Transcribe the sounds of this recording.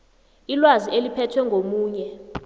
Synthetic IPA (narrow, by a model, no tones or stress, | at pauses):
ilwazielipʰɛtʰwɛŋɡʱomuːɲɛ